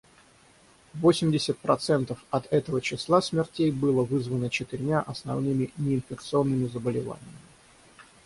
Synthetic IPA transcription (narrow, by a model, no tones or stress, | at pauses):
vo̞sʲɪmʲdʲɪsʲət̪̚pɾɐt̪sɛnt̪əfɐt̪ɛt̪əvət͡ɕɪslˠasʲmʲɪrtʲejbɨlˠəvɨzvənət͡ɕɪt̪ɪɾʲmʲaʔɐsnɐ̰vnɨmʲɪnʲɪɪnfʲɪkt̪sɨo̞nːɨmʲɪzəbəlʲɪva̰nʲɪjəmʲɪ